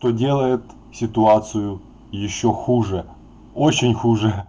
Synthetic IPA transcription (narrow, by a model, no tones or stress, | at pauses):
ʂt̪odʲe̞lˠəjɪt̪ | sʲɪt̪ʊat̪sɨjʊ | jɪɕːoxuʐɛ | ot͡ɕɪnʲxuʐə